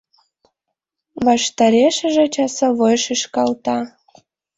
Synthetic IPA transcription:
βɑʃt̪ɑɾeʃə̆ʒĕt͡ɕɑsəβojʃiʃkɑlt̪ɑ

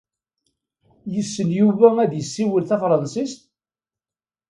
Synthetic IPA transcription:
jəsːənjuvææd̪jəsːiwəlθæfɾˤɑnsist̪

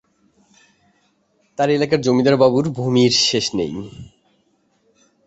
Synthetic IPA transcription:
t̪aɾelakaɾd͡ʑomid̪aɾbabuɾbʱumiɾʃeʃnḛj

